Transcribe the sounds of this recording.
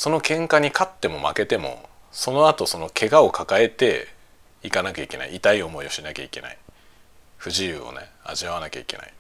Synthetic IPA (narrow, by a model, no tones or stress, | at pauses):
so̞no̞kẽ̞ŋkaɲ̟ikʰat̪ːe̞mo̞ma̰ke̞t̪e̞mo̞̰ | so̞no̞at̪o̞so̞no̞kʰe̞ɡao̞kʰakae̞t̪e̞ | ikanakʲaike̞na̰ḭit̪aio̞mo̞io̞ɕinakʲa̰ike̞na̰i | ɸɯ̟ʑiɯ̰ːo̞̰ne̞̰ | a̰ʑiaβ̞anakʲa̰ike̞̰na̰i